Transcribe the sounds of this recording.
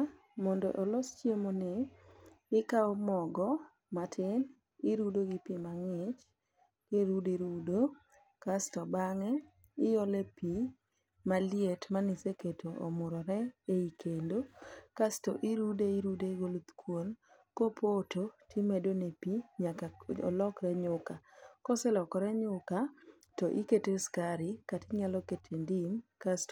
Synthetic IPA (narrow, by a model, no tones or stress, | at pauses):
mɔndɔ̰ʔolɔst͡ʃjemonɪ | ɪkaɔmɔɡɔ | matʰɪn | ɪɾudoɡɪpimaŋɪt͡ʃ | keɾudiɾudo | kastɔbaŋɛ | ɪjolepi | malietmanɪseketoʔo̰mʊɾɔɾɛeikʰendokastɔ̰ʔiɾudeiɾudeɡolut̪kʰwon | kopʰototʰimedonepiɲakaɔ̰lɔkɾɛɲʊkakɔsɪlɔkɔɾɛɲʊka | tɔʔiketeskaɾɪkatɪɲalɔketʰendimkast